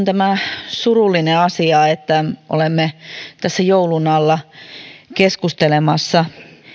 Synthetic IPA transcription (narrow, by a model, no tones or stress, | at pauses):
nt̪æmæsurulːineɑsiɑet̪ːæʔo̰lemːet̪æsːæjoulunɑlːɑ | keskust̪elemɑsːɑ